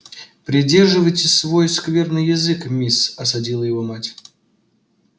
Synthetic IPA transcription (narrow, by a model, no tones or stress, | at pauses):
pɾʲɪdʲe̞rʐɨvəjtʲɪsvo̞jskvʲe̞rnɨjɪzɨkmʲisɐsɐdʲilˠəjɪvo̞matʲ